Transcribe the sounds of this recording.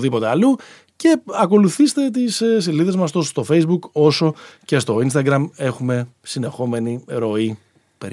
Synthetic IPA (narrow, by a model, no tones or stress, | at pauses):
ðipo̞t̪e̞ɐlu | ce̞ɐko̞luθist̪e̞t̪̬issiliðe̞zmɐst̪o̞st̪o̞fe̞jzbuko̞so̞ce̞st̪o̞inst̪ɐɡɾɐme̞xume̞sine̞xo̞me̞niɾo̞i | pe̞̰ɾ